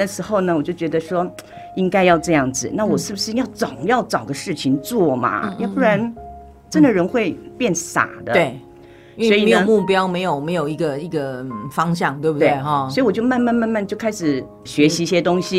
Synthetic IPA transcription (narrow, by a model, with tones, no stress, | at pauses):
ə˩ʂɻ̩˧˥xo˥˧˩ʊnə˩wɔ˨˩t͡ɕjo˥˩ʊt͡ɕɥɛ˧˥d̪ə˧ʂwɔ˥ | i˥ŋka˥ɪjɑ˥˧ʊʈ͡ʂɤ˥˧jɑ˥˩ŋd͡zɹ̩˩na˥˩wɔ˨˩ʂɻ̩˥˩bu˩ʂɻ̩˥˧jɑ˥˩ʊt͡sɑ˨˩ʊjɑ˥˩ʊt͡sɑ˨˩ʊɡə˦ʂɻ̩˥˩t͡ɕʰi˧˥ŋt͡swɔ˥˩mɐ̰˩jpu˥˩ɻa˧˥n | ʈ͡ʂə˥nd̪ə˨˩ɻə˧˥nxwe˥˧ɪpjɛ˥˩nsa̰˨˩d̪ə˦˥˩ | sɔ˧˥i˨˩˥jo˨ə˦˩mu˥˩pjɑ˥ʊme˧˥ɪjo˨˩ʊme˧˥ɪjo˨˩ʊi˧˥˩ɡə˧i˥˧˩ɡə˧˩fɑ˥ŋɕ̬jɑ˥˧ŋt̪we˥˩bu˩twe˥˩˥swi˧wɔ˨˩t͡ɕjo˥˧ʊma˥˧nma˥˧nma˥˧nma˥˧nt͡ɕjo˥˩ʊkʰa˥ɪʂɻ̩˨˩ | ɕɥɛ˧˥ɕi˧˥i˥˩ɕjɛ˥t̪ʊ˥ŋɕi˧